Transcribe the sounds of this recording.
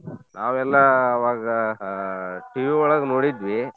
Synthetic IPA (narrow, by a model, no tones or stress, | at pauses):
nʔaːʋɛlːɐːʋaːɡɐ | ʈiʋiɔɭɐɡɐnoːɽid̪ʋi